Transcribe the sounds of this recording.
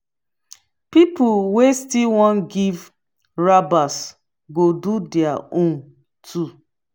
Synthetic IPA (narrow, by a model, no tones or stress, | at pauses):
pipuwestilwɔ̃nɡiv | ɹabas | ɡodudɛaõn | tʰu